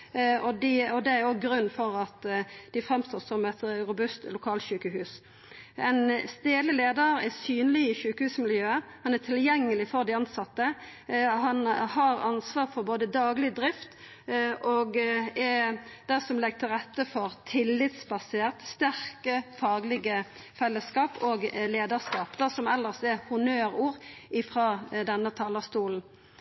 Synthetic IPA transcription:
ɔd̪ɪɔd̪ɛæɾjoɡɾʉnːfɔɾɑt̪d̪̥ɪfʁɛmst̪oːsɔmɛt̪ɾʊbʉst̪lʊkʰɑːlɕʉːkəɦʉːs | ɛɪnst̪eːləleːd̪əɾɛsyːnlɪɪʃʉːkəhʉːsmɪljøːəhɑnæt̪ʰɪljɛŋːəlɪfɔʁd̪ɪɑnsɑt̪ːə | hɑnhɑɾɑnsʋɑːʁfɔɾboːd̪əd̪ɑːɡlɪd̪ɾɪft̪ | ʔoɡɛd̪̥æsɔmlɛɡt̪ʰɪlʁɛt̪ːəfɔʁt̪ʰɪlːɪt̪sbɑseːʁt̪st̪æʁkəfɑːɡlɪɡə | fɛlːəskɑːpoːɡleːd̪ɑʁskɑːpd̪æsɔmɛlːəʁst̪ɛhʊnøːɾuːʁɪfʁɑːd̪ɛnːət̪ʰɑːlɑst̪uːln̩

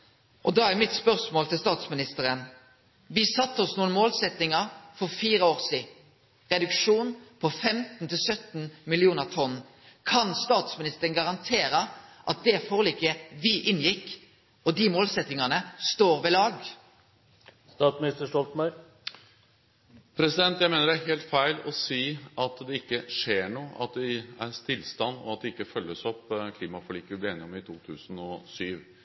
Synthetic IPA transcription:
ʔɔd̪ɑːæʁmɪt̪spœʁsmoːlt̪ʰɪlst̪ɑːt̪smɪnɪst̪əʁən | ʋɪsɑt̪ːəɔsnuːənmoːlsɛt̪nɪŋəʁfɔʁfiːʁəoːʁsiː | ʁɛd̪ʉkʂuːnpʰɔfɛmt̪n̩t̪ʰɪlsœt̪n̩mɪlɪuːnəʁt̪ʰɔnː | kʰɑnst̪ɑːt̪smɪnɪst̪əʁənɡɑʁɑnt̪ʰeːɾəʔɑt̪̚d̪ɛfoːʁliːkəʋɪʔɪnjɪkː | ɔd̪imoːlsɛt̪ːɪŋɑnəst̪oːʁʋɛlɑːɡ | st̪ɑːt̪smɪnɪst̪əʂɔlt̪mɑʏɾ | pʰɾɛsɪd̪ɛnt̪jæɪmeːnəɾæɾɦeːlt̪fæɪlɔsiːʔɑt̪d̪ɛɪkːəʂeːɳuːʔɑt̪̚d̪ɪæɾst̪ɪlst̪ɑnːɔ̰ɑt̪̚d̪ɛɪkːəfœlːəsɔpːkʰliːmɑfɑliːkəʋɪblɪeːnɪɔmɪt̪ʰuːt̪ʰʉːsənɔsyːʋ

